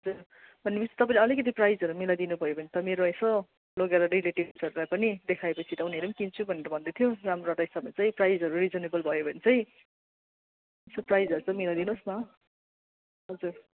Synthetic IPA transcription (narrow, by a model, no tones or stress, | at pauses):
ɦʌd͡zur | bʱʌnːepʌt͡si̥t̪ʌpãĩleʌlikʌt̪̬iprajzʌɾumilad̪inubʱʌjobʱʌnet̪ʌmeɾoʌsʌ | loɡaɾʌrileʈibsʌɾulajpʌnid̪ekʰaepʌt͡sʰit̪ʌuneɾʌmkint͡sʰubʱʌneɾʌbʱʌnd̪et̪ʰjoramroʌʈaɦisabmat͡saĩprajzɦʌɾurid͡zʌnebʌlbʱʌjobʱʌnet͡sʌj̃ | sʌprajzʌɾut͡sʌ̃ĩmilad̪inosmʌ | ɦʌd͡zur